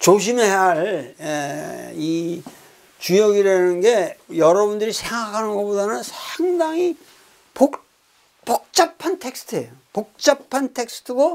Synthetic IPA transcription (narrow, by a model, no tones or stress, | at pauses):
t͡ɕoɕ̬ʰimeɦeɦaɭei | t͡ɕujʌɡiɾanɯnɡe̞jʌɾʌbundɯɾisʰe̞ŋɡakʰanɯnɡʌpodanɯnsʰaŋdaŋi | po | pʌk̚t͡ɕ͈apʰantʰe̞k̚sʰɯ̥tʰɯejopok̚t͡ɕ͈apʰantʰe̞k̚sɯ̥tʰɯɡo